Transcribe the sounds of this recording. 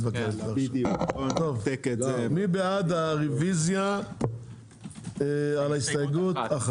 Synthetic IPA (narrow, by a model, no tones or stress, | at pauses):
vakeva | t̪ovekmibead̪aʁivizja | ealaist̪ojeɡut̪aχ